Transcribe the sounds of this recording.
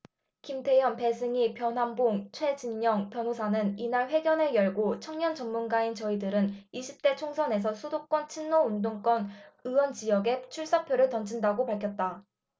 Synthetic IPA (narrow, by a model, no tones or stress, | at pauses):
kimtʰe̞jʌnpe̞sʰɯŋipjʌnɦanboŋt͡ɕʰwe̞d͡ʑinɲʌŋpjʌnosʰanɯninaɭɸwe̞ɡjʌnejʌɭɡot͡ɕʰʌŋɲʌnt͡ɕʌmmunɡaint͡ɕʌidɯɾɯniɕʰip̚t͈e̞t͡ɕʰoŋsʰʌne̞s̬ʰʌsʰudok͈wʌnt͡ɕʰinːoundoŋk͈ʌnɯwʌnt͡ɕijʌɡe̞t͡ɕʰuɭs͈apʰjoɾɯɭtʌnd͡ʑindaɡopaɭkʰjʌt̚t͈a